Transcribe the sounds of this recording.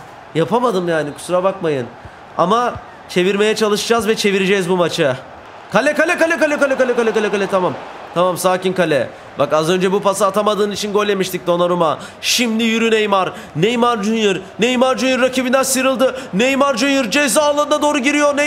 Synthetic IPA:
japʰamad̪ɯmjaːnikʰu̥suɾabakmajɯn | a̰ma | t͡ʃʰe̞viɾme̞jɛt͡ʃʰalˠɯʃɯd͡ʒazvɛt͡ʃʰe̞viɾed͡ʒɛzbumat͡ʃʰɯ | kʰalʲɛkalʲɛkalʲɛkalʲɛkalʲɛkalʲɛkalʲɛkalʲɛkalʲɛt̪ʰamam | t̪ʰamamsaːcinkalʲɛ | bakazø̞nd͡ʒɛbupasaːt̪ʰamad̪ɯːnit͡ʃʰinɡo̞lʲːe̞miʃt̪ic̚d̪o̞naɾuma | ʃimd̪ijyɾynejmaɾ | nejmaɾd͡ʒynjɯɾnejmaɾd͡ʒynjɯɾːacʰibind̪ænsɯɾɯlˠd̪ɯnejmaɾd͡ʒynjɯɾd͡ʒejs̬ialˠːand̪ad̪o̞ːɾuɟiɾijo̞ɾne

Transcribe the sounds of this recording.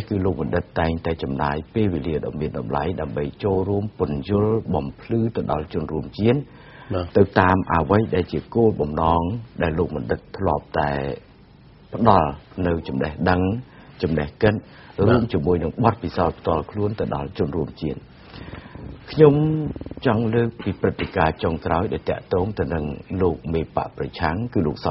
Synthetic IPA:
ihkɨːloːk̚mɑnɗɨt̪̚t̪ːaɛŋt̪aɛt͡ɕɑmna̰ːjpeːlʋeːliəɗɑ̰miənɗɑmla̰jɗaəmɓəjt͡ɕoːlruəmpʊ̆ənjʊ̆əlɓɑmpʰlɨːt̪ɨwɗɑ̰lt͡ɕʊ̆ənruəmt͡ɕiən | t̪ɨwt̪aːmʔa̰ʋəjɗaɛlt͡ɕiəkoːlɓɑmnɑːŋɗaɛlːoːk̚mɔnɗɨk̪̚t̪ʰlŏəp̚t̪aɛ | pə̆ɗɑlnɨwt͡ɕɑmnəhɗəŋ | t͡ɕɑmnəhkɨt̪̚ | ruəmt͡ɕiəmuəjnɨŋɓɑt̪̚pisaɔt̪̚pʰt̪ŏəlkʰluənt̪ɨwɗɑ̰lt͡ɕʊ̆ənruəmt͡ɕiən̚ | kʰɲomt͡ɕɑŋləːk̚piːprɨt̪ʰːekaːt͡ɕoŋkraɔjɗaɛlt̪ɛ̆əʔt̪ɔːŋt̪ɨwnɨŋloːk̚meːpa̰ʔprɑt͡ɕʰaŋkɨːloːk̚sɑ

